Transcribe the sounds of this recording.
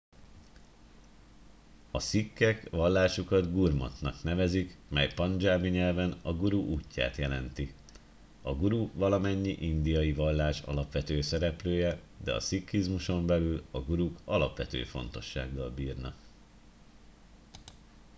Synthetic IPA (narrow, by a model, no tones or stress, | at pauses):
ɒsikːɛkʋɒlːaːʃukɒd̪ɡurmo̰t̪nɒknɛvɛzikmɛjpɒnd͡ʒaːmiɲɛlvɛnɒɡuɾuʔuːcːa̰ːt̪jɛlɛnt̪i | ɒɡuɾuvɒlɒmɛɲːiʔind̪ijɒjivɒlːaːʃɒ̰lɒpʋɛt̪øːsɛɾɛpløːjɛ | d̪ɛ̰ɒ̰sikːizmuʃo̞mbɛlylɒɡuɾukɒlɒpʋɛt̪ø̰ːfo̞̰n̪t̪o̞ʃːa̰ːɡːɒlbiːrnɒ̰k